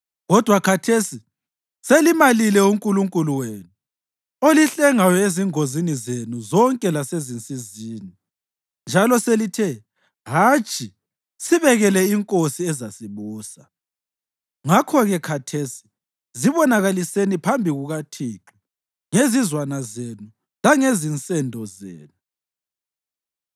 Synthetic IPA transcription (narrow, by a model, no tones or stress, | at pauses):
ɣɔd̥ʱwakʰatʰesi | selimalilɛuŋkʼuluŋkʼuluweːnu | oliɬɛŋajɔeziŋozinizenuzɔŋkʼɛlasezint͡sʼiziːni | nd͡ʒʱalɔselitʰɛ | ɦat͡ʃʼʰi | siβɛɣɛlɛiŋkʼosiɛzasiβuːsa | ŋakʰɔɣɛkʰatʰesi̥ | ziβɔnaɣalisenipʰambʱiɣuɣatʰiːǁu̥ | ŋezizwanazenu | laŋezint͡sʼɛndʱɔzḛːnu